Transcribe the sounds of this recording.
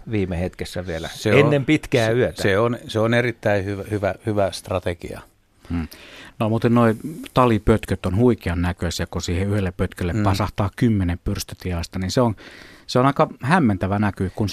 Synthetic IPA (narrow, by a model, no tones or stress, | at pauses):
ʋiːmehet̪kesːæʋielæ̰seenːempit̪kæːyøt̪æeonseonerit̪ːæihyʋhyʋæhyʋæst̪rɑt̪ekḭɑ̰ | m̩ːnomuːt̪ennoˑit̪ɑlipøt̪køt̪onhuikeɑnnækøsekkosiːheyhelːeppøt̪kølːeppɑsɑht̪ɑːkkymːeneppyrst̪øt̪iɑˑst̪ɑninseonseonɑˑikɑhæmːent̪æʋænækykuns